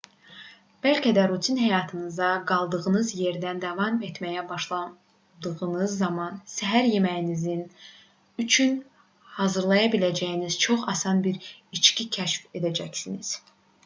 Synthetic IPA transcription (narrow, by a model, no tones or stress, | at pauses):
b̥ælcʰæd̪æɾut̪ʰinɦæjɑːt̪ʰɯnɯzɑɡɑlˠd̪ɯɣɯnɯzje̞ɾd̪ænd̪ɑvɑme̞t̪mæjæbɑʃlˠɑ | d̪ɯɣɯnɯzːɑmɑnsæɦæɾjemæjinizin | yt͡ʃʰyn | hɑːzɯɾlˠɑjɑbilæd͡ʒæjiniz̥t͡ʃʰo̞χɑsɑnbiɾit͡ʃcicʰæʃfe̞d̪æd͡ʒæcsiniz̥